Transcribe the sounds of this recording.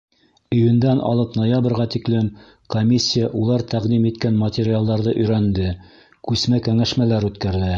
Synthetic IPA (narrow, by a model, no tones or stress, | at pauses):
ɵ̆jɵ̆nd̪ænʔɑ̰lˠɤpnojabrʁɑt̪iklɘm | komʲisʲːijaʔulˠɑɾt̪æʁd̪imit̪kænmɐt̪ʲeɾʲɪalˠd̪ɑɾðɤʔɵ̆jɾænd̪ɘ | kʉsmækæŋæʃmælæɾʉt̪kæɾðɘ